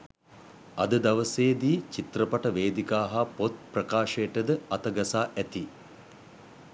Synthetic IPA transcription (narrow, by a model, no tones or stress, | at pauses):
ɐd̪əd̪ɐʋəseːd̪iːt͡ʃit̪ɾəpɐʈəʋeːd̪ikaːɦapot̪̚prɐkaːʃejʈəd̪əɐt̪ɐɡɐsaːʔæt̪i